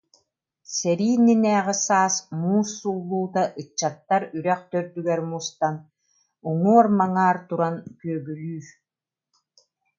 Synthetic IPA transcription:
sɛɾiːninɛːʁisaːsmuːsːulˠːuːt̪aʔɯt͡ɕːat̪ːaɾyɾɛχt̪œɾd̪yɡɛɾmuːst̪an | uŋuɔɾmaŋaːɾt̪uɾankyœbylyːɾ

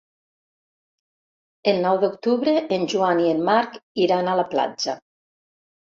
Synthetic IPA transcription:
elˠnɔwðokt̪uβɾeʔːnʲʒuanienːaɾkiɾanalapla̰d͡ʒa

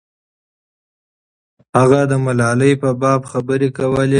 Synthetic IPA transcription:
haɣad̪əmalɑləjpəbɑbxabəɾekawəle

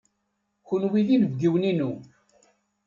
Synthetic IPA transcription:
kʊnwiðinəvɡiwninu

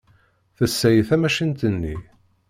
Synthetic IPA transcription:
θəsːæjəθæmæʃint̪ənːi

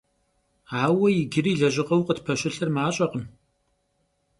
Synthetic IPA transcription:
aːwɐjɪɡɪriːɮɐʑʼɪqɐwqʼətpʰɐɕʷɪɬɨrmaːɕʼɐqəm

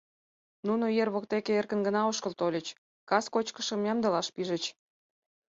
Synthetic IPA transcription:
nunoijerβok̚t̪ekeerkə̆nɡənɑoʃkəlt̪olʲət͡ɕ | kɑskot͡ɕkə̥ʃə̆mjɑmd̪ə̆lɑʃpiʒə̆t͡ɕ

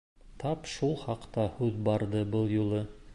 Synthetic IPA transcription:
t̪ʰɑpʃulˠχɑqt̪ɑhʉðbɑɾd̪ɤbɤlˠjulˠɤ

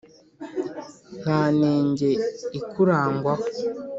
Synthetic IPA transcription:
n̥aːneːɲɟe̞ikuɾaːŋɡwa

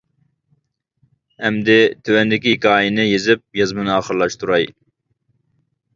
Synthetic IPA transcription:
hɛmd̪ɪt̪ʰøwɛnd̪ɪkʲikʲɑːjinɨjezɪp̚jɑzmɨnɨɑːχəɾlˠɑʃt̪ʰuɾɑj

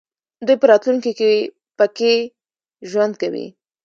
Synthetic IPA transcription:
d̪ujpəɾɑt̪luŋkike | pəke | ʒwand̪̚kawḭ

